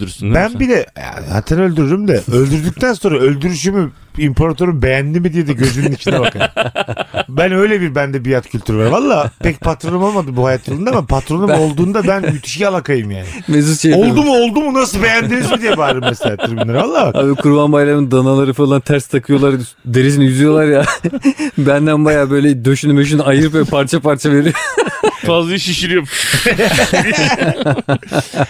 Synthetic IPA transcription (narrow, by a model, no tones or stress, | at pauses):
bænbilʲɛja̰za̰ːt̪ʰænø̞lʲd̪yɾyɾymd̪ɛø̞lʲd̪yɾd̪yc̚t̪ʰænso̞nɾaø̞lʲd̪yɾyʃ̬ymy | impʰoɾat̪ʰø̞ɾumbejænd̪ʲimid̪ijɛd̪ɛɟø̞zymninit͡ʃʰinɛbaka | bænø̞jlʲɛbiɾbænd̪ɛbijat̪cʰylʲt̪ʰyɾvaɾvalˠːaːpʰɛcpʰat̪ɾo̞numalˠmad̪ɯbuhajat̪ʰːalˠɯnd̪amapʰat̪ɾo̞numo̞lˠd̪uːnd̪abænjyt̪ʰy̥ʃialˠakajɯmja̰ːnɪmezuzʃejolˠumuo̞lˠd̪umunasɯbejænd̪inizbid̪iebaɾɯmːeselʲaːt̪ʰɯɾminʲaɾvalˠːaːa̰bikʰuɾbanbajlˠaɾɯnd̪analˠaɾɯfalˠant̪ʰæɾst̪ʰakʰɯjo̞lˠaɾ | d̪e̞ɾis̬inɛjyzyjo̞lˠaɾja | bænd̪ænbajaːbø̞jlʲɛd̪øʃynymøʃ̬ynajɯɾɯpvɛpʰaɾt͡ʃʰapaɾt͡ʃʰave̞ɾijofazlˠaiʃiʃiɾjop